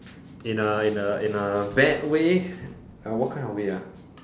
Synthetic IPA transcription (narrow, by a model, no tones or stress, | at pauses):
ɪ̃nəɪ̃nəɪ̃nəbɛt̚we | əwɔt̚kʰãɪ̃nɔweə